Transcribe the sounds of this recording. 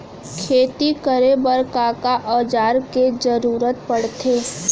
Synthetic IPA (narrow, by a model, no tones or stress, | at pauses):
kʰeːt̪ikəɾebəɾkaːkaʔɔːd͡ʒaːɾked͡ʒəɾuːɾət̪pəɽt̪ʰeː